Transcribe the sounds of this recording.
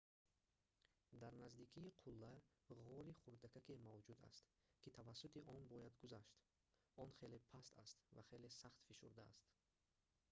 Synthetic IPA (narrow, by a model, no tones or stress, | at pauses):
d̪aɾnazd̪ikʰiːqʰulːaʁɔɾiχuɾd̪akakemavd͡ʒud̪a̰st̪ | kʰit̪ʰavasːut̪iʔɔnbɔjad̪ɡuzaʃt̪ | ɔnχe̞lepʰast̪a̰st̪vaχe̞lesaχt̪fiʃuɾd̪a̰ːst̪